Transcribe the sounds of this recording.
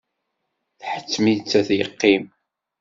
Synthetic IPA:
θħə̥t͡sːmit͡sːæθjə̰qːim

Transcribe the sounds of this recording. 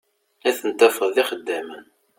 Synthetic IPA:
æθənt̪ːæfəððiχəd̪ːæmən

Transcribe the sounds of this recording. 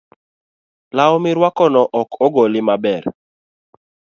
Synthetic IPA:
laɔmɪɾwakɔnɔʔɔkɔɡɔlɪmabɛɾ

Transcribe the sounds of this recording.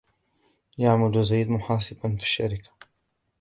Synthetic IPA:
jaʕmʊd̪zajd̪mʊħɑːsˤɨbanfi̥ʃːaɾɪkḁ

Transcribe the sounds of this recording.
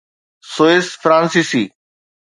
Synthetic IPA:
soːesfɾãːnsisiː

